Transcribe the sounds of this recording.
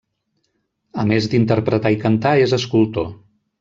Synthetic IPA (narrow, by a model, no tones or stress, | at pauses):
əmezd̪int̪əɾpɾət̪aikənt̪aezəskulˠt̪o